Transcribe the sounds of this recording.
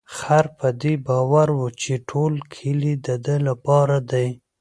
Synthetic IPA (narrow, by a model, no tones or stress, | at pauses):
xaɾpəd̪ebɑwaɾwut͡ʃeʈʰolkʰəlid̪əd̪əlapɑɾad̪aj